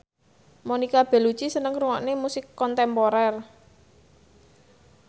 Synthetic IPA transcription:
monikab̥ɛ̤lu̥t͡ʃisənəŋruŋɔʔnemusɪkːɔnt̪ɛmpɔɾɛr

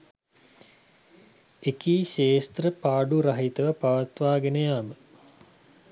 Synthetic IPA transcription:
ekiːʃeːst̪rəpaːɖuɾɐɦit̪əʋəpaʋat̪ʋaːɡenəjaːmə

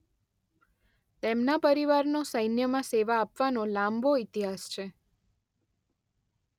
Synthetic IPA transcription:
t̪emnapəɾiʋaɾnosəjnjəmãseʋaːpʋanolãmbʱoit̪iɦast͡ʃʰe

